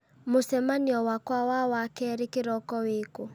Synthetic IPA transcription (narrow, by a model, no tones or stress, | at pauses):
mosɛmaniɔwakwawawakɛɾekeɾɔkɔweko